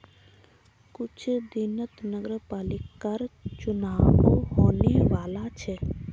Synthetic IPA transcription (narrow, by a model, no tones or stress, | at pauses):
kʊt͡ʃʰd̪inət̪nəɡəɾəpaːlikːəɾt͡ʃʊnaːʋuhoːneʋaːlat͡ʃʰe